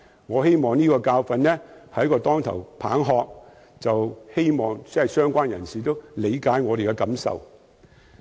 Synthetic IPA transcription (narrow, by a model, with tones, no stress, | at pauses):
ŋɔː˨˧he˥jmɔː˨˩ŋniː˥kɔː˧kaː˧wfɐ˨nnɛː˥hɐ˨˥jkɔː˧t̪ɔː˥ŋt̪ʰɐ˨˩wpʰa̰ː˨˥ŋɦɔː˧k̚ | t͡sɐ˨whe˥jmɔː˨˩ŋsɐ˨˩sœː˥ŋkʷaː˥njɐ˨˩nsiː˨t̪o˥wle˨˧jkaː˨˥jŋɔː˨˧e˨jkɛ˧kɐ˨˥msɐ̰˨w